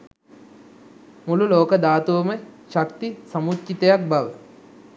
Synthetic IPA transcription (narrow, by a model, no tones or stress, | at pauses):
mululoːkəd̪aːt̪uʋəməʃakt̪isamutt͡ʃit̪əjak̚baʋə